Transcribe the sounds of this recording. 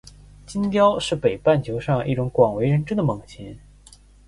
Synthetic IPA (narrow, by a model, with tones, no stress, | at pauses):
t͡ɕi˥nt̪jɑ˥ʊʂɻ̩˥˩pe˨˩ɪpa˥˩nt͡ɕʰjo˧˥ʊʂɑ˥˧ŋʔi˥˩ʈ͡ʂʊ˧˥ŋkwɑ˨˩ŋwe˧˥ɪɻə˧˥nʈ͡ʂə˥d̪ə˨mɤ˨˩ŋt͡ɕʰɛ˧˥n